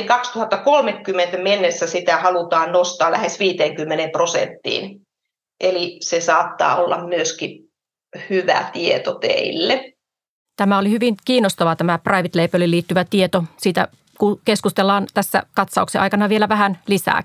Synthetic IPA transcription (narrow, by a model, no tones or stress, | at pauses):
ŋkɑkst̪uhɑt̪ːɑkolmekːymːent̪æmenːesːæsit̪æhɑlut̪ɑːnnost̪ɑːlæ̰hesʋiːt̪eːŋkymːenemprosḛnt̪ːḭːn | ʔelisesɑːt̪ːɑ̰ːolːɑ̰mmyøski | hyʋæ̰t̪iet̪ot̪ḛilːe | t̪æmæolihyʋiŋkiːnːˑost̪ɑʋɑt̪æmæprɑiʋit̪leipølilːiːt̪ːyʋæt̪iet̪osiːt̪æ̰ | kukeskust̪elːɑːnt̪æsːæ̰kɑt̪sɑukseʔɑ̰jkɑnɑʋielæʋæhænlisæ̰ː